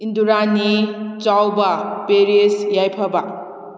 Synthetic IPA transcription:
induɾanit͡ʃawbapeɾesjajpʰaba

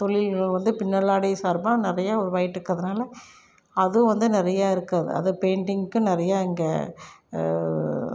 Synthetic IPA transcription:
t̪ɔɭːɪlʋɐnd̪ɯpɪnːɐɭaːɽisaːɾbãːnɪɾɐjaːɔɾɯʋaːjɪʈːɪɾɯkːɐðɯnaːlɐ | ɐð̃ʋɐnd̪ɯnɪɾɐjaːɪɾɯkːɐðɯ̰ɐ̰ðɯpeːɳɖɪŋɡkːɯ̃nɪɾɐjaːɪŋɡɐ

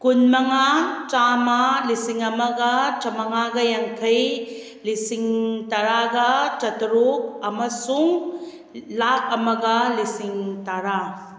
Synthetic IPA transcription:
kunmɐŋat͡ʃamalisiŋɐmɐɡɐt͡ʃɐmɐŋaɡɐjɐŋkʰɐj | lisiŋtaɾaɡɐt͡ʃɐtɾuk̚ɐmɐsuŋ | lakɐmɐɡɐlisiŋtaɾa

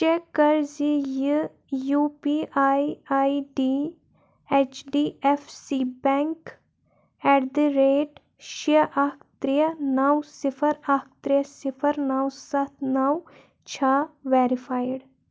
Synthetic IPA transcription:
t͡ʃɛkːəɾzij | juːpiːʔaːiaːiɖiː | ɛt͡ʃɖiːɛfsiːbɛ̃ːŋk | ɛːʈd̪iɾeːʈ | ʃiəʔakʰt̪ɾɪjənaːwsɪpʰəɾakʰt̪ɾɪjəsɪpʰəɾnaːwsɐt̪ʰnaːw | t͡ʃʰaːʋɛːɾɪpʰaːjɖ

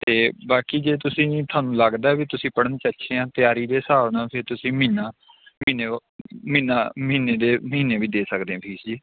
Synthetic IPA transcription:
t̪eːbaːkiːd͡ʒeːt̪ʊsĩːt̪ʰaːnũːləɡd̪aːɛːʋiːt̪ʊsĩːpəɽənt͡ʃəʃʰeːãːt̪ɪjaːɾiːd̪eːsaːʋnãːpʰɪɾt̪ʊsĩːmiːnaː | miːneːmiːnaːməɦiːneːd̪eːməɦiːneːʋiːd̪eːsəkd̪eːãːpʰiːsd͡ʒiː

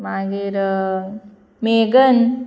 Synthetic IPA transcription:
maːɡiɾ | meːɡən

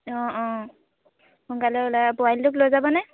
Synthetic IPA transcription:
ɔ̃ɔ̃ | hʊnkalɛlabɔajldʊklojzabɔnɛ

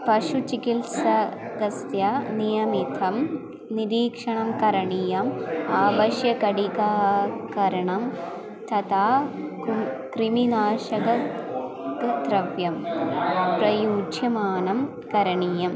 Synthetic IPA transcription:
pɐʂut͡ʃikilsɐɡɐst̪jɐnijɐmit̪ʰɐm | niɾiːkʂɐɳɐmkɐɾɐɳijɐmaːbɐʃjɐkɐɽikaːkɐɾɐɳɐm | t̪ʰɐt̪ʰaː | kɾiminaːʃɐɡɐ | kd̪ɾɐʋjɐm | pɾɐjuːd͡ʒjɐmaːnɐm | kɐɾɐɳiːjɐm

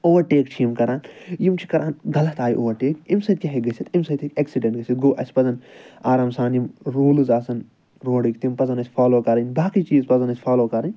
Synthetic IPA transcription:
oːʋɐɾʈeːkt͡ʃʰijimkɐɾaːnjimt͡ʃʰi̥kɐɾʔaːnɡɐlɐt̪aːjʔoːʋɐɾʈeːkimsɐt̪̚kʲɐɦeɡɐsʲit̪imsɐt̪ʰikeːksiɖẽɳʈɡɐsʲit̪̚ɡoːʔɐsʲpɐzɐnaːɾaːmsaːnjimɾuːlɨzaːsɐn | ɾoːɽikt̪impɐzɐnɐsʲpʰaːloːkɐɾɐnʲbaːkit͡ʃiːzpɐzɐnɐsʲpʰaːloːkɐɾɐnʲ

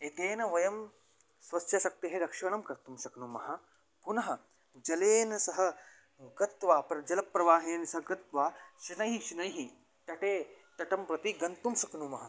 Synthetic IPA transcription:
et̪eːnɐʋɐjɐm | sʋɐtːʃɐʃɐk̚t̪iɦeɾɐkʂɐɳ̃ɐmkɐɾt̪umsɐknumɐɦɐ̆ | punɐɦɐ | d͡ʒɐleːnɐsɐɦɐ̆ | ɡɐt̪ʋaːpɾɐd͡ʒɐlɐpːɾɐʋaːɦeːnɐsɐɦɐɡɐt̪ʋaːʃinɐjɦiʃinɐjɦi | ʈ̪ɐʈeː | ʈ̪ɐʈɐmpɾɐt̪iɡɐnt̪umsɐknumɐɦɐ

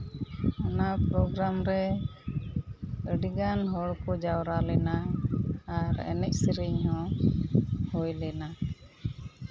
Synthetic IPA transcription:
ɔnapɾɔɡɾamɾɛ | əɖiɡanɦɔɽkɔd͡ʒawɾalɛnaː | ɾɛ̰nɛc̚siɾiɲhɔ̃ | hɔjlɛna

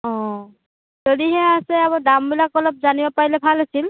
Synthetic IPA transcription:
ɔ̃ | zodiɦɛasɛabadambilakɔlɔp̚zanibapaɹilɛbʱalɦasil

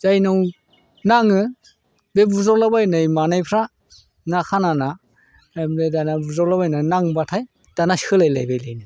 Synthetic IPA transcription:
zajnɯw | naŋɯ | bebuzɔlabajnɯjmanajpʰɾa | nakʰanana | bedanabuzɔlaβajnɯnaŋbatʰaj | d̥anashɯlajla̰jbajlajnɯ

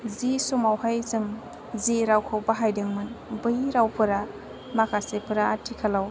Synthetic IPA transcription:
zisɔmawhajzɯm | ziɾawkʰawbaɦajdɯŋmɯnbɯjɾawpʰɯɾa | makʰasepʰɯɾaːtʰːikʰalaw

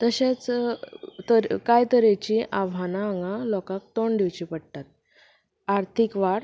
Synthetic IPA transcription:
t̪əɕet͡s | t̪əkajt̪əɾet͡ɕiʔaʋanaːŋɡalɔkãk̚t̪oɳɖ̪iwt͡ɕiːpəɽt̪at̪̚ | aɾt̪ʰikʋaɽ

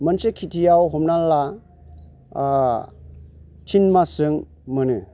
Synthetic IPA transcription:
mansekʰitʰijawɦɔmnala | tʰinmasɯŋ | mɯnɯ

